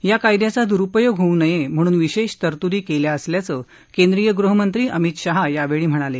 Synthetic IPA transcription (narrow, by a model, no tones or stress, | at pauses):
jakajd̪jat͡sad̪uɾupəjoɡɦounəjem̤əɽ̃uːnʋiɕeɕt̪əɾt̪uɾiːkeljaəsljat͡səː | kend̪ɾijəɡɾuɦəmənt̪ɾiːʔəmit̪ɕaɦajaʋeɭiːm̤əɽ̃ale